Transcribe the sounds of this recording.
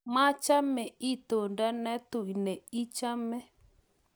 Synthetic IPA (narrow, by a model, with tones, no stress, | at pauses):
mã˦t͡ʃa˦mɛ˨i˦t̪o˨ndɛ˦nɛ˦t̪u˨i˨nɛ˨i˦t͡ʃa˦mɛ˦